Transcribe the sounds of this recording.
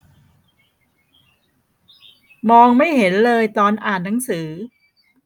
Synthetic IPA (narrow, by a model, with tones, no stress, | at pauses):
mɔː˧ŋma˥˩jhe˩˦nlɤː˧jt̪ɔː˧nʔaː˨˩nːa˩˦ŋsɯː˩˦